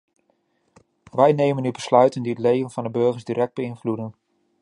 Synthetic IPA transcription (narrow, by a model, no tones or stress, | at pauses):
ʋɛjnejmənybəslœɥtəndiətlejvənv̥ɑndəbɵɹχəɹzdirɛk̚d̚bəɪnvludən